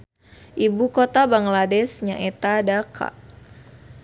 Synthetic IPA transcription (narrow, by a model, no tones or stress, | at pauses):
ʔibukɔt̪abaŋladɛsɲaʔɛt̪adakʰa̰ʔ